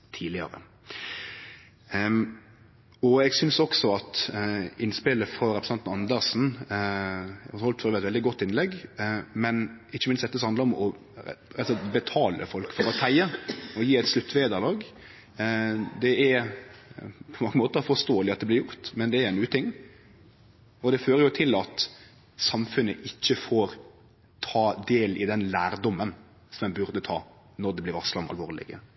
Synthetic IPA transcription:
t̪ʰiːlɪə̰ɾə̰ | ɔɛɡsʏnsɔksɔɑt̪ɪnspɪləfɾɑɾɛpɾsnɑnn̩ɑnd̪əʁsn̩ | ɛɑhɔlt̪føːʋɛt̪ʋɛld̪ɪɡɔt̪ːɪnlɛɡːmɛnɪçːəmɪnst̪d̪ɛt̪əsɔhɑnd̪əɾɔmɔ | ɑlsɔbət̪ʰɑːlə̰fɔlkfɔɾɔt̪ʰæɪəɔjiːɛɪt̪slʉt̪ːʋeːd̪əʁlɑːɡ | d̪ɛɛɾ | pʰɔmɑŋːəmoːt̪əɾfɔʁst̪oːəlɪɑt̪̚d̪ɛblɪɾjʊɾt̪mɛnd̪ɛæɾɛnʉːət̪ʰɪŋː | ɔd̪ɛføːɾəjʊt̪ʰɪlɑt̪ | sɑmfʉnːəʔɪçːəfoːɾ | t̪ʰɑːd̪eːlɪd̪ɛnlæːɾd̪ɔmːən | sɔmɛnbʉɾd̪ət̪ʰɑ̰ː | nɔɾd̪ɛblɪʋɑslɑɔmɑ̰lʋoːʁlɪ̰ɡə

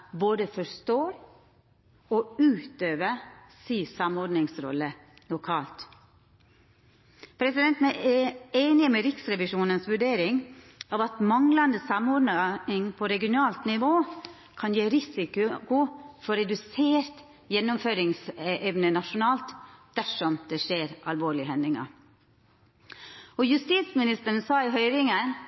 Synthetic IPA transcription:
boːd̪əfɔɾst̪oːɾ | ɔʉːt̪øːʋəsisɑmɔɖnɪŋsɾɔ̰lːə | lʊkʰɑːlt̪ | pʰɾɛsɪd̪ɛnt̪n̩æɛeːnɪmɛɾɪksɾɛʋɪʂuːnənsʋʉɖeːɾɪŋ | ɑːʋɑt̪mɑŋlɑnd̪əsɑmɔɖnəɪŋpʰɔɾɛɡɪʊnɑːlt̪nɪʋoː | kʰɑnjeːɾɪsɪkʉkʊfɔɾɛd̪ʉseːɾt̪ | jɛnːʊmføːɾɪŋsɛʔɛʋnənɑʂʊnɑːlt̪d̪̥æʂɔmd̪̥ɛʂeːɾʔɑlʋoːɭɪɦɛnd̪ɪŋɑ̰ | ɔjʉst̪iːt̪smɪnɪst̪əɾn̩sɑːɪɦœʏɾɪŋən

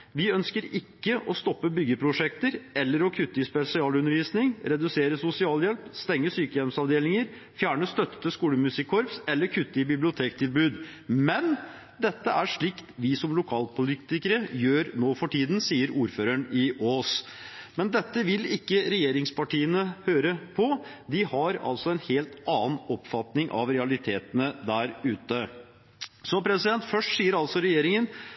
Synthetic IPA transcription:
ʋɪœnskəɾɪkːəʔɔst̪ɔpːəbʏɡəpʰɾʊʂɛkt̪əɾɛlːəɾɔkʰʉt̪ːəɪspɛsɪɑːlʉnːəɾʋiːsnɪŋɾɛd̪ʉseːɾəsʊsɪɑːljɛlpst̪ɛŋːəsyːkəjɛlmsɑʋd̪eːlɪŋəɾ | fjæːɳəst̪œt̪ːə̥t̪əskuːləmʉsɪkʰːɔɾpsɛlːəɾkʰʉt̪ːəɪbɪblɪʊt̪ʰeːkt̪ʰɪlbʉːd̪ | mɛn | d̪ɛt̪ːəʔæʂɭɪkt̪ʋɪsɔmlʊkʰɑːlpʰʊlit̪ɪkəɾəjøːɾnoːfɔʈʰiːd̪n̩siːəɾuːɾføːɾəɳɪoːs | mɛnd̪ɛt̪ːəʋɪlɪkːəɾɛjeːɾɪŋspɑʈiːənəhøːɾəpʰɔd̪ɪhɑɾɑ̰lsɔɛnheːlt̪ɑːənɔpfɑt̪nɪŋʔɑ̰ʋɾɛɑlɪt̪ʰeːt̪ənəd̪æɾʉːt̪ə | sɔpʰɾɛsɪd̪ɛnt̪fœʂʈsiːəɾɑlsɔɾɛjeːɾɪŋən

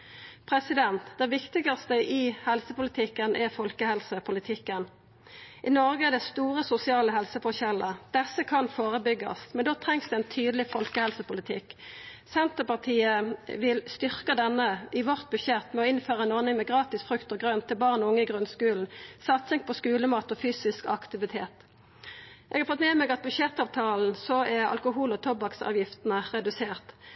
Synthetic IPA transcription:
pʰʁɛsɪd̪ɛnt̪d̪̥ɛʋɪkt̪ɪɡɑst̪əʔɪhɛlsəpʊlɪt̪ʰɪkːənʔɛfɔlkəhɛlsəpʰʊlɪt̪ʰɪkːən | ʔɪnɔʁɡəɛd̪ɛst̪uːʁəsʊsɪɑːləɦɛlsəfɔçɛləd̪̥ɛsːəkʰɑnfoːʁəbʏɡːɑ̰smɛnd̪oːt̪ʰʁɛŋsd̪ɛɛnt̪ʰyːd̪lɪfɔlkəhɛlsəpʊlɪt̪ʰɪksɛnt̪əpɑʁt̪ʰiːəʋɪlst̪ʏʁkəd̪ɛnːəɪʋɔʁt̪̚bʉʃɛt̪mɛɔɪnføːʁəɛnɔʁnɪŋmɛɡʁɑːt̪ɪsfʁʉkt̪əʁɡʁœnt̪ʰːɪlbɑʁnɔʊŋːəɪɡʁʉnskʉːln̩sɑt̪sɪŋpʰɔskʉːləmɑːt̪ɔfyːsɪskɑ̰kt̪ɪʋɪt̪ʰeːt̪ | ʔɛ̰ɡɑʁfɔt̪mɛːmɛɡɑt̪̚bʉʃɛt̪ɑːʋt̪ʰɑːln̩sɔɛʁɑ̰lkʊɦuːlɔt̪ʰɔbɑksɑ̰ːʋjɪft̪ənəʁɛd̪ʉseːʁt̪

